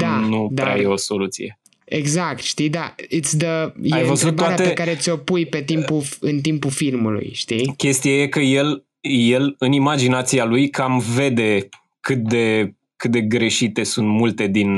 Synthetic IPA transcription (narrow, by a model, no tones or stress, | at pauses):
d̪anud̪aɾa̰jeo̞so̞lut̪sḭje̞ | ḛɡzak̚t̪ʃt̪id̪ait̪sd̪əjaejvəzut̪b̪ːaaɾeat̪eekaɾe̞t̪sʲo̞pujpe̞t̪impuɨnt̪impufilmulṵjʃt̪ikʲe̞st̪ijaje̞kəje̞l | je̞lɨnimad͡ʒinat̪sialujkamve̞d̪e̞ | kɨt̪̚d̪e̞ | kɨt̪̚d̪e̞ɡɾe̞ʃit̪e̞sunt̪mult̪e̞d̪in